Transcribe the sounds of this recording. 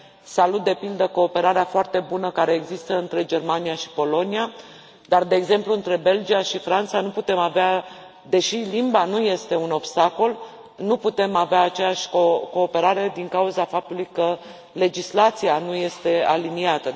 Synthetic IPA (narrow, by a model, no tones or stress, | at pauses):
salut̪̚d̪e̞pild̪əko̞ːpe̞ɾaɾeafoart̪e̞bunəkaɾe̞ːɡzist̪əɨnt̪ɾe̞d͡ʒe̞rmaniaʃi̥po̞lo̞nia | d̪ard̪e̞ːɡze̞mpluɨnt̪ɾe̞be̞ld͡ʒiaʃifɾant̪sanuput̪e̞mavea | d̪e̞ʃilimbanuje̞st̪e̞uno̞bst̪ako̞l | nuput̪e̞maveaːt͡ʃe̞jaʃʲkoko̞ːpe̞ɾaɾe̞d̪iŋkauzafap̚t̪ulujkə | le̞d͡ʒislat̪sianuje̞st̪e̞aliniat̪ə